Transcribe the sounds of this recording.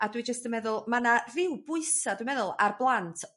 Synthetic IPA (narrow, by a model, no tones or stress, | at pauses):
adwid͡ʒəstəmɛðʊlˠmanarɪwbʊɨsaduwmɛðʊlˠarblˠantʰ